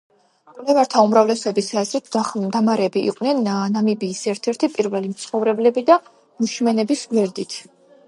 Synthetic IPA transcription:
kʼlɛvaɾt̪ʰaumɾavlɛsɔɔbisaɛzɾɛt̪d̪amaɾɛːbiʔḭqʼnɛnnamibiːsɛɾt̪ʰɛɾt̪ʰipʼiɾvɛlimt̪sʰχɔvɾɛblɛbid̪a | muʃmɛnɛbisɡwɛɾd̪it̪ʰ

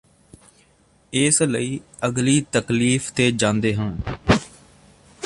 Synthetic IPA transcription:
ɪːsləiː | əɡliːt̪əkliːfʰt̪eːd͡ʒãːnd̪eːɦãː

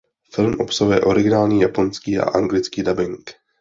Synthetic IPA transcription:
fɪlmʔo̞psaɦujɛʔo̞ɾɪɡɪnaːlɲiːjapo̞nskiːʔa̰ʔaŋɡlɪt͡skiːdabɪŋk

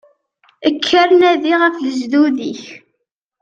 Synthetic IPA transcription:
əkʰːəɾnæðiʁəfləzðuðiç

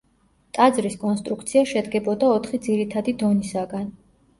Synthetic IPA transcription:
t̪ʼad̪zɾiskʼɔnst̪ʼɾuk̚ʰt̪sʰiaʃɛd̪ɡɛbɔd̪aɔt̪ʰχid̪ziɾit̪ʰad̪id̪ɔnisaɡan

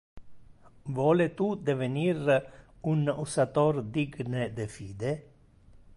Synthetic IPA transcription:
vwɔːlet̪ud̪evenir | unusat̪ord̪iɡned̪efiːd̪e

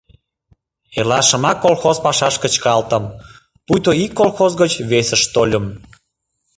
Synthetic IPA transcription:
elɑʃə̆mɑkːolxozpɑʃɑʃkət͡ɕkɑlt̪əm | pujt̪oikːolxozɣət͡ɕβesəʃt̪olʲəm

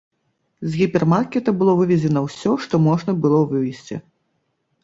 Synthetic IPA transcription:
zɣʲipʲɛrmarkʲɛt̪ɐbɨlˠɔvɨvʲɛd͡zʲɛnɐwsʲɔʂt̪ɔmɔʐnɐbɨlˠɔvɨvʲijsʲt͡sʲḭ

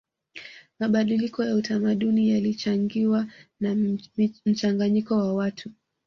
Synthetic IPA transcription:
maɓaɗilikɔjautamaɗunijalit͡ʃaŋɡiwan | m̩t͡ʃaŋɡaɲikɔwawatʰu

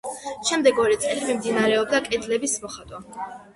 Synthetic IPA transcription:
ʃɛmd̪ɛɡɔɾɛt̪sʼɛlimimd̪inaɾɛɔb̚d̪akʼɛd̪lɛbismɔχat̪ʼwa

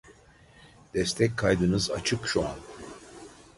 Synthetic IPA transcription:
d̪̥ɛst̪ʰɛc̚kʰːajd̪ɯnɯza̰t͡ʃʰɯkʃua̰n

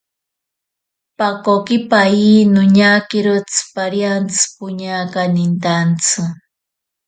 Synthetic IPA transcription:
pakokipainʊɲakiɾʊt͡spaɾjant͡sɨ̥pʊɲakanint̪ant͡sʰɨ

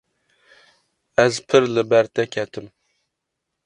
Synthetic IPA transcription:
æzpʰɨɾlɨbæɾt̪ʰɛkʲʰɛt̪ʰɪm

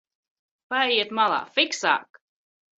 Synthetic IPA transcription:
paɛjiɛt̪malˠa̰ːfiksa̰ːk

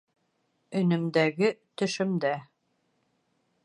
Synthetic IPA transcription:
ɵ̆nɘ̆md̪æɡɘt̪ɵ̆ʃɘ̆md̪æ

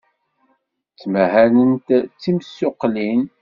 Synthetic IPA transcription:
t͡sːməhælənt̪t͡sːimsːʊqːlin

